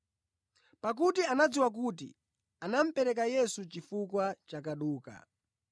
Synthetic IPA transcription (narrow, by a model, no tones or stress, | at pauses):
pak̬utianad͡ziwak̬utḭ | anam̩pɛɾɛk̬ajɛsut͡ʃifukwat͡ʃak̬aɗuːka̰